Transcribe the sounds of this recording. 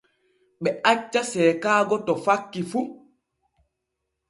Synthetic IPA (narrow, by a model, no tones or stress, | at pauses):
ɓɛʔat͡ʃːasɛːkaːɡɔtɔfakːifu